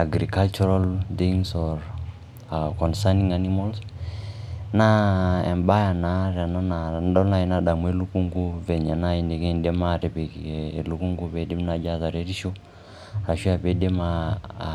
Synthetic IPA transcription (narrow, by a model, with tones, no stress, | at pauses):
a˨ɡɾi˨ka˦lt͡ʃu˦ɾa˦lt̪i˦ŋsɔɾ | kɔ˨nsa˦ni˦ŋa˦ni˦mals | na˦ɛ̰˨mba˦ja˨na˦ɾa˨na˦nadɔ˦na˨i˨na˦ɗa˨mu˨˦e˦lu˦ku˦ŋɡu˦vɛ˨ɲa˨na˦i˨nde˨ke˦˨ndɛ˦ma˦˨tɛ˨pe˨e˨lu˦ku˦ŋɡu˦ve˨de˦mna˨d͡ʒa˦za˨ɾe˦ɾi˦ʃo˦ | a˨ʃi˦a˨pe˦de˦ma˦